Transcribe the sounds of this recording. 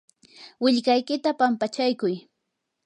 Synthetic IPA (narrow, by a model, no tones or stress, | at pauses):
wɪʎkajkɪt̪apampat͡ʃajkʊj